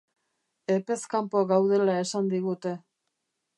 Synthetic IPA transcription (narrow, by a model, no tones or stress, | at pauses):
e̞pe̞skampo̞ɣawðe̞lae̞sand̪iɣ̞ut̪e̞